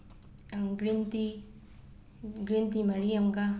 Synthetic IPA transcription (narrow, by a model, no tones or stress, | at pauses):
aŋɡɾint̪i | ɡɾint̪imɐɽiɐmɡa